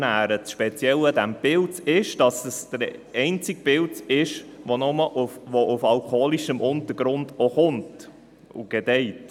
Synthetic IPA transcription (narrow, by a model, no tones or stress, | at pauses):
næːɾəʃpɛt͡sjɛlədæmb̥ɪltɪʃd̥ɑsəsd̥̪əɾɛɪnt͡sɪɡ̚b̥ɪltɪʃʋonɔməʔuʋoʔufɑlkχoːliʃəmʔʊnt̪əɾɡ̥ɾʊnd̪ɔχʊnt | ṵɡ̥ɛdɛɪt